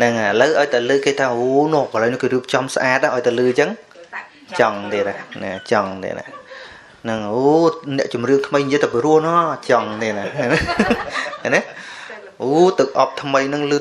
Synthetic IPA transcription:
nɨŋləwʔaɔjt̪alɨːkeːt̪ʰaːoːnɔːkələːwjnɔ̆əhkeːɾiəp̚t͡ɕɑmsʔaːt̪̚ʔaʔaɔjt̪alɨːt͡ɕəŋ | t͡ɕɑŋt̪eːnahna̰t͡ɕɑŋt̪ḛːna̰ | nɨŋoːnɛ̆əʔt͡ɕumrɨəŋk̪ʰməjɲjiəjt̪apiəɾuəhnɑːt͡ɕɑŋt̪eːnan | anɛh | ʔoːt̪ɨwʔɑp̚t̪ʰməjnɨŋlɨː

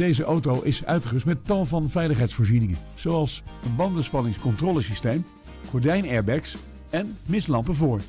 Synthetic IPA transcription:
d̥ejzəʔowtowʔɪsœ̰ɥtχəəstmɛttɑlˠvɑnvɛjləχɦɛjtsfʊːɹzinɪŋə | z̥owɑlˠsənbɑndənspɑnɪŋskɔntrɔːləsistejm | χɔɹdɛjnɛɹbɛks | ɛnmɪslɑmpəvʊːɹ

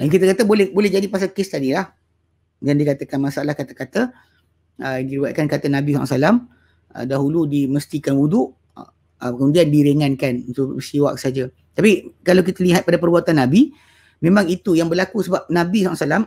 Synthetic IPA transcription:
dank̬it̪əkat̪abolɛhbolɛhd͡ʒadipas̬akɪst̪adilah | jandikat̪əkanmasaalahkat̪akat̪a | ədiɾiwat̪̚kankat̪anãbisa̰ʔsalam | ə̰daɦuludiməst̪ikanwudʊʔ | əkəmudiandiɾeŋãnkanunt̪uʔəsiwa̰k̚səɦad͡ʒa | t̪apikalawk̬it̪aliɦat̪̚padapərbuat̪anːabi | mẽmãŋit̪ujaŋbərlakusəbap̚nãbisaasalam

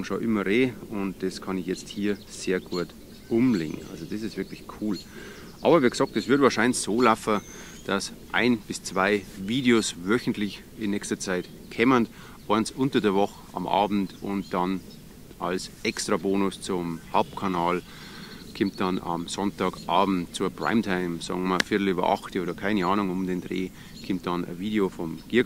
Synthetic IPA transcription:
ŋʃoʔɪmɐʁeːʊnt̚d̥ɛskʰɑnɪçjɛt͡sthiːɐz̥eːɐɡuːɐt | ʔʊmlḛːŋ̩a̰lzod̥ɛsɪstv̥ɪɐklɪçkʰuːl | ʔɑ̰ːbɐviːɡ̥sɑk̚tɛsvʏɐdvaːʃaɪnsoːlafə | d̥asʔa̰ɪnb̥ɪst͡sv̥aɪviːdeosvœçn̩tlɪç | ɪnːɛːçstɐt͡saɪt | kʰɛmənd | ʔɔɐnsʔʊntɐdeːɐvɔxəʔɑ̰mʔɑ̰ːbm̩tʊnt̚d̥ɑn | ʔalsʔɛkstʁ̥aboːnʊst͡sʊmhalp̚kʰanaːl | kʰɪmt̚d̥ɑnɑ̰msɔntɑːkʔɑːbm̩tt͡suːɐpʁ̥a̰ɪmtʰaɪmsɔ̰ːɡŋmafɪɐtl̩yːbɐ̰ʔɑ̰xtoːɾɐkʰaɪnəɑːnʊŋʊmdeːnd̥ʁeː | kʰɪmt̚d̥ɑnə̰viːɾeofɔmɡ̥ɪɐ

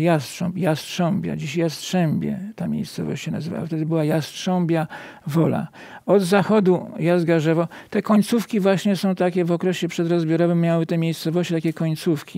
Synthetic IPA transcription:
jastʂɔ̃mpjastʂɔ̃mbʲja̰d͡ʑiɕjastʂɛmbʲjɛ̰t̪amʲjḛjst̪sɔ̰vɔ̰ɕt͡ɕɕɛna̰zɨva̰wa̰ft̪ɛd̪ɘbɘwajastʂɔmbʲja | vɔla̰ | ɔd̪zaxɔd̪ujazd̪ɡaʐɛvɔt̪ɛkɔɲt̪sufkʲivwaɕɲɛsɔ̃w̃t̪akʲɛvɔkɾɛɕɛpʂɛd̪ɾɔzbʲjɔɾɔvɘmːjawɘt̪ɛmʲjejst̪sɔvɔɕt͡ɕit̪akʲɛkɔɲt̪sufkʲi

